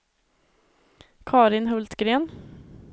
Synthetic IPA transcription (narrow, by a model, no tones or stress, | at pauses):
kʰɑːɾɪnɦɵlt̪ɡɾeːn